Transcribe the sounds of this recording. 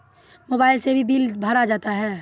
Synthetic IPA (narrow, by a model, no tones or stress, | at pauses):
moːbaːɪlsebʱibiːlbʱaɾad͡ʒaːt̪aɦɛː